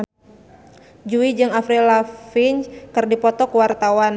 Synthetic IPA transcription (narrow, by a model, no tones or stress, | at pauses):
d͡ʒuid͡ʒɨŋafɾɛlafiɲkɨrdipɔt̪ɔkuwart̪awan